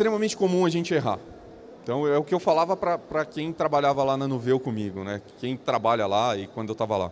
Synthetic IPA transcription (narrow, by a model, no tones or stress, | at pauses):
st̪ɾemɐmẽnt͡ʃɪ̥komũɐʒẽnt͡ʃɪeɦa̰ | ẽt̪ɐ̃w̃ɛʊkɪewfalavɐpɾɐpɾɐkẽj̃t̪ɾabaʎavɐlanɐnovewkõmiɡʊnɛkẽj̃t̪ɾabaʎɐlaɪkwɐ̃d̪ʊewt̪avɐla̰